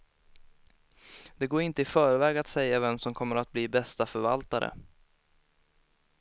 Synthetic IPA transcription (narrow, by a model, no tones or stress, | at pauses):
d̪̥ɛɡoːɾɪnt̪əɪfœːɾvɛːɡat̪sɛjːavɛmsɔmkʰɔmːəɾat̪̚bliːbɛst̪afœɾva̰lt̪aɾə̰